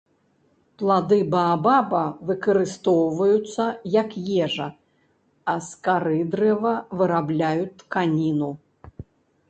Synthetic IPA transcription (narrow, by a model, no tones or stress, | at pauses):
plˠad̪ɨbɐːbabɐvɨkɐɾɨst̪ɔwvɐjut̪sːɐjɐkjɛʐɐ | ɐskaɾɨd̪ɾɛvɐvɨɾablʲajukanʲinu